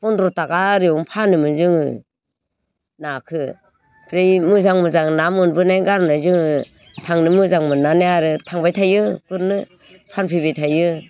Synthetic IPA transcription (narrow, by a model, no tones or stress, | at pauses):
pɔndɾɔtaɡaɾiɔŋpʰanɯmɯnzɯŋɯ̰ | nakʰɯ | pʰɾejmɯzaŋmɯzaŋnamɯnbɯnajɡaɾnajzɯŋɯ | tʰaŋnɯmɯzaŋmɯnanejaɾɯtʰaŋbajtʰajɯkɯɾnɯ | pʰanpʰibetʰajɯ